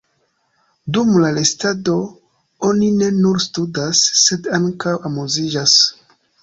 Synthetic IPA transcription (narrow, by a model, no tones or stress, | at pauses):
dumlalestado̞ | o̞nine̞nuɾstudasːe̞daŋkawamuzid͡ʒas